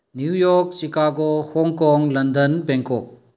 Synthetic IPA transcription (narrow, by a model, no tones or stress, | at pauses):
njujɔk̚t͡ʃikaɡɔhɔŋkɔŋlɐnd̪ənbeŋkɔ̰k̚